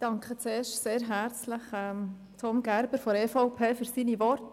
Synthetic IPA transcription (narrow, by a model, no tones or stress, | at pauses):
d̥ɑŋkχət͡seːɾʃtseːɾɦæɾt͡sləχɛm | tʰɔmɡ̥æɾb̥əɾfoɛfɔʊpʰeːfyɾsiniʋɔrt